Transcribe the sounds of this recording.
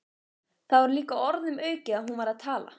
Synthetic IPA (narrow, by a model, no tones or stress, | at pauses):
θaðvɛɾʏliːkaɔɾt̪nʏmœːɥcɪaðɦunvaɾaðt̪ʰaːla̰